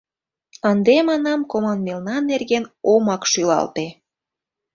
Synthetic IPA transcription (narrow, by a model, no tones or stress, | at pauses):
ənd̪emɑnɑmkomɑnmelnɑnerɣenomɑkʃylɑ̰lt̪e